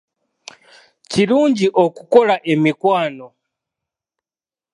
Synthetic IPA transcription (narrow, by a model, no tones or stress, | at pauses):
t͡ʃiɾund͡ʒiʔɔkukɔɾaʔɛmikwaːnɔ